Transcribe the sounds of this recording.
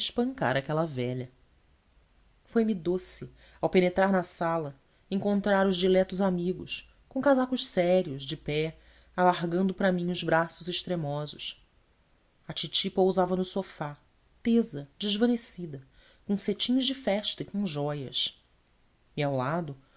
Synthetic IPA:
ɪʃpɐ̃ŋka̰ɾɐkɛlɐvɛʎɐ | fojmid̪osɪ | awpenet̪ɾaɾnɐsalɐ | ẽŋkõnt̪ɾaɾʊzʒd͡ʒilɛt̪ʊzamiɡʊ̰s | kõkazakʊʃsɛɾiʊʒd͡ʒɪpɛ | alaɦɡɐ̃nd̪ʊpɾɐmĩɲʊzbɾasʊzɪʃt̪ɾemɔzʊʃ | ɐt͡ʃit͡ʃipowzavɐnʊsofa | t̪ezɐd͡ʒɪzvɐ̃nesid̪ɐ | kõset͡ʃĩɲʊʒd͡ʒɪfɛʃt̪ɐikõʒɔjɐs | iawlad̪ʊ

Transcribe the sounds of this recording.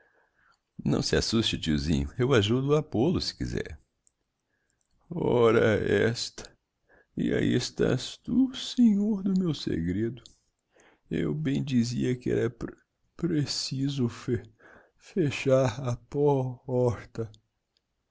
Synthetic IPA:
nɐ̃w̃sɪa̰sust͡ʃɪt͡ʃiuzĩɲʊ̰ewaʒud̪ʊapolʊsɪ̥kizɛ̰ɾ | ɔɾɐɛst̪ɐ̥ | ia̰ḭest̪a̰st̪useɲoɾd̪ʊmewsḛɡɾed̪ʊ | ewbẽj̃d͡ʒiziɐkɪɛ̰ɾɐ | pɾesizʊf | feʃaɾɐpɔɔɾt̪ɐ

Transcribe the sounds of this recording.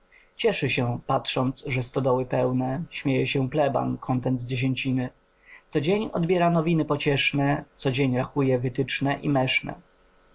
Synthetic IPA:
t͡ɕɛʂɘɕɛpatʂɔnt̪sʐɛst̪ɔd̪ɔwɘpɛwnɛɕmʲjejɛɕɛplɛba̰nkʰɔnt̪ɛnd̪zd͡ʑeɕ̬eɲt͡ɕinɘ | t̪sɔd͡ʑeɲɔ̰d̪bʲjɛɾanɔvʲinɘpɔt͡ɕɛʂnɛt̪sɔd͡ʑeɲɾaxujɛvɘt̪ɘt͡ʂnɛʔimɛʂnɛ̰

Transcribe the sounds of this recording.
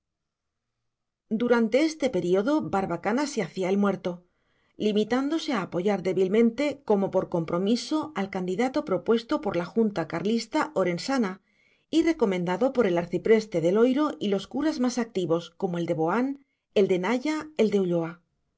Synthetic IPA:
d̪uɾant̪e̞e̞st̪e̞pe̞ɾioðo̞baɾβakanaseaθiaelmwe̞ɾt̪o̞ | limit̪and̪o̞se̞aːpo̞ʝaɾðe̞βilmẽ̞nt̪e̞ko̞mo̞po̞ɾko̞mpɾo̞miso̞alkand̪iðat̪o̞pɾo̞pwe̞st̪o̞po̞ɾlaxunt̪akaɾlist̪ao̞ɾe̞nsana | ire̞ko̞mẽ̞nd̪aðo̞po̞ɾe̞laɾθipɾe̞st̪e̞ðe̞lo̞jɾo̞ʔilo̞skuɾazmasak̚t̪iβo̞sko̞moeld̪e̞βo̞an | e̞ld̪e̞naʝae̞ld̪e̞uʎo̞a

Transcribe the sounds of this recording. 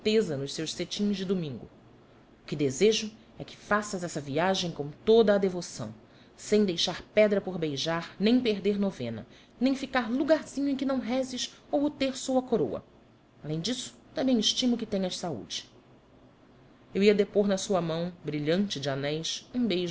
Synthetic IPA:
t̪ezɐnʊʃsewʃset͡ʃĩzd͡ʒɪd̪umĩŋɡʊ̰ | ʊkɪd̪ezeʒʊ | ɛkɪ̥fasɐzɛsɐviaʒẽj̃kõmt̪od̪ɐːd̪evosɐ̰̃w̃ | sẽj̃d̪ejʃaɾpɛd̪ɾɐpoɾbejʒaɾnẽj̃peɾd̪eɾnovḛ̃nɐ̰ | nẽj̃fikaɾluɡaɾz̥ĩɲʊẽkɪnɐ̃w̃ɦɛzɪʃowʊt̪eɾsowɐkoɾowɐ̰ | alẽj̃d͡ʒisʊ̥t̪ɐ̃bẽj̃ɪʃt͡ʃĩmʊkɪt̪ẽɲɐʃsaṵd͡ʒɪ̥ | ewiɐd̪epoɾnɐsuɐmɐ̃w̃bɾiʎɐ̃nt͡ʃɪd͡ʒɪanɛjsũbejʒ

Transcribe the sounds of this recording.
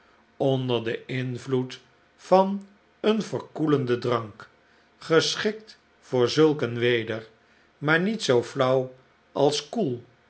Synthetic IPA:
ɔndəɹdəɪnvlut | fɑn | ənvəɹkuləndədrɑŋk | χəsχɪk̚t | fʊːɹzɵlˠkənʋejdəɹ | maːɹnitsowflʌw | ɑlˠskulˠ

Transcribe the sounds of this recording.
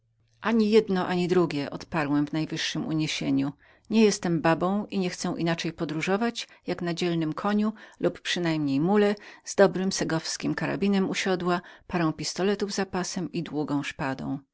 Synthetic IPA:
ʔaɲijɛd̪nɔʔaɲid̪ɾuɡʲɛʔɔt̪paɾwɛmvnajvɘʂːɘmṵɲeɕeɲu | ɲɛjɛst̪ɛmbabɔ̃w̃ʔiɲɛxt̪sɛwʔinat͡ʂɛjpɔd̪ɾuʐɔvat͡ɕjaknad͡ʑɛlnɘmkʰɔɲulupːʂɘnajmɲejmulɛzd̪ɔbɾɘmsɛɡɔfskʲimkaɾa̰bʲinɛmuɕɔd̪wapaɾɔ̃w̃pʲist̪ɔlɛt̪uvzapasɛmid̪wuɡɔ̃w̃ʂpad̪ɔ̰̃w̃

